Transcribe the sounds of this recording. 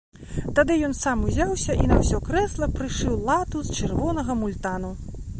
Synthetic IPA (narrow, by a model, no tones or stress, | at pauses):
t̪ad̪ɨjɔnsamuzʲawsʲɐʔinɐwsʲɔkɾɛslˠɐpɾɨʂɨwlˠat̪ust͡ʂɨrvɔnɐɣɐmulʲt̪anu